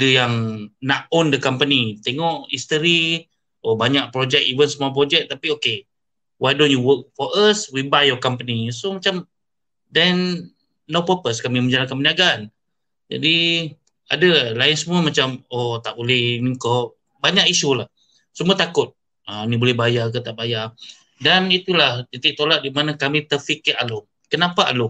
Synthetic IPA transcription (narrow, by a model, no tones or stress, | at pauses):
adəjaŋnaʔondəkampənit̪eŋɔʔist̪əɾi | ʔobaɲaʔ̚pɾod͡ʒɛk̚ivənsəmuap̬ɾod͡ʒɛk̚t̪apioke | wajdɔ̃njuwək̚fɔəswibajɔkampənisomat͡ʃam | dɛnː | opəpəskamimə̃ɲd͡ʒalakanmpəniaɡaan | d͡ʒa̰di | a̰dəlaɪnsəmuəmat͡ʃamot̪aʔbolɛhniŋkɔ | baɲakiʃulah | səmuat̪akʊt̪̚ | anibolɛhbajak̬ət̪aʔbaja | danit̪ulaht̪it̪iʔ̚t̪olat̪̚dimanakamit̪əfikɪʔalo | kənapaʔa̰lo